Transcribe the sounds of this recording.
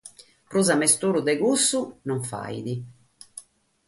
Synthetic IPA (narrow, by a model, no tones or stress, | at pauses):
pɾuzamɛst̪uːɾud̪ɛɣusːunɔɱfa̰j̰d̪i